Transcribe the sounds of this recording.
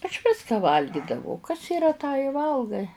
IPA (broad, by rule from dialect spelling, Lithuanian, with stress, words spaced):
ɐʃ ˈʋʲɪskɑː ˈʋɐlʲɡʲɪdɐʋɐʊ kɐs iːˈrɐ tɑː ɪ ˈʋɐlˠɡɐɪ